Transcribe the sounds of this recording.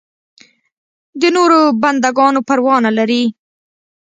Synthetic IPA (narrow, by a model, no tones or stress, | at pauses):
d̪ənoɾoband̪aɡɑnopaɾwɑnalaɾi